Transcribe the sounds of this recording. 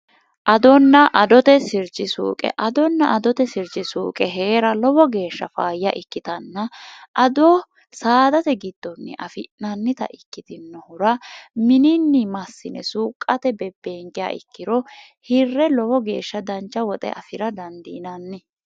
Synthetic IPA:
ʔɐd̪ɔnːɐʔɐd̪ɔt̪ɛsɪɾd͡ʒɪsṵːkʼɛ̰ʔɐd̪ɔnːɐʔɐd̪ɔt̪ɛsɪɾd͡ʒɪsuːkʼɛɦeːɾɐlɔbɔɡe̞ːʃːɐfaːjɪja̰ʔɪkːɪt̪ɐnːɐʔɐd̪ɔː | saːd̪ɐt̪ɛɡɪd̪̥ːɔnːɛ̰ʔɐfɪnɐnːɪt̪ɐ̰ʔɪkːɪt̪ɪnːɔhʊɾɐmɪnɪnːɪmɐsːɪnɛsuːkʼːɐt̪ɛbɛbe̞ːŋkʼɪja̰ːʔɪ̰kːɪɾɔ | hɪrːɛlɔbɔɡe̞ːʃːɐd̪ɐnt͡ʃːɐwɔt̪ʼɛ̰ʔɐfɪɾɐd̪ɐnd̪ɪnɐnːɪ

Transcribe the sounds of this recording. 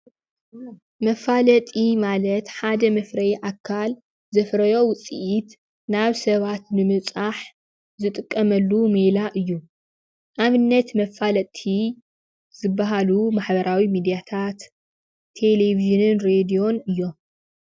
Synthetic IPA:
mɐfalɐt̪ʼimalɐt̪ħad̪ɐmɐfɾɐjʔakʰːal | zɐfɾɐjo̞wʊt͡sʼḭʔit̪ | naβsɐβat̪nɨmɨβt͡sʼaħ | zɨt̪ʼɨkʼːɐmɐlːumelaʔɨjːu | ʔaβɨnːɐt̪mɐfalɐt̪ʼʰi | zɨbːaɦalumaħbɐɾawimid̪ijat̪ʰat̪ʰː | e̞leviʒɨnɨnɾed̪io̞nɨjːo̞m

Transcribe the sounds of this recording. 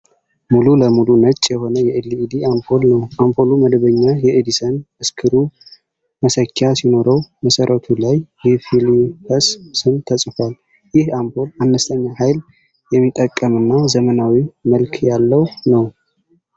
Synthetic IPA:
mululəmulunət͡ʃʼːjɛho̞nəjɛɛlːiːd̪iʔampʰo̞lnəwʔampʰo̞luməd̪βəɲːajɛʔed̪isənʔɨskʰɨɾu | məsəkːasino̞ɾəwməsəɾʔət̪ʰulajːɛfilipʰəssɨnt̪ʰəsʼfal | jɪhampʰo̞lanːəst̪ʼʰəɲːahajl | jɛmːit̪ʼːəkʼːəmɨnːazəmənawiməlkʰjalːəwnəw

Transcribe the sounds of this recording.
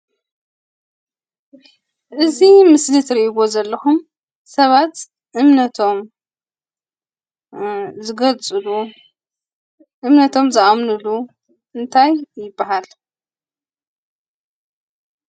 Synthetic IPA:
ʔɨzimɨslɨt̪ɾiʔiβo̞zɐlːɐxum | sɐβat̪ | ʔɨmnɐt̪ʰo̞m | zɨɡɐlt͡sʼɨlu | ʔɨmnɐt̪ʰo̞mzɨʔamnɨlu | ʔɨnt̪ʰajːɪbːaɦal

